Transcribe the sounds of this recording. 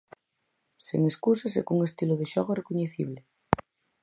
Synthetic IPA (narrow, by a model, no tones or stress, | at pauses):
seŋeskusasḛkuŋest̪iloðeʃɔɣorekoɲeθiβ̞le